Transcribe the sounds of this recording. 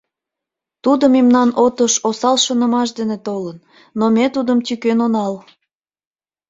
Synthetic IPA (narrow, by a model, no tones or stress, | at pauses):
t̪ud̪əmemnɑnot̪əʃosɑlʃənə̆mɑʃd̪enet̪olənː | omet̪ud̪əmt̪ykenonɑl